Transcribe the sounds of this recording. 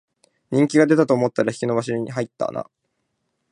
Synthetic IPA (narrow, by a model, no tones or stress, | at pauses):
ɲ̟ĩŋkʲiɡad̪e̞t̪at̪oːmo̞t̪ːaɾaçʲi̥kʲino̞baɕoɲ̟iɦait̪ːa̰na̰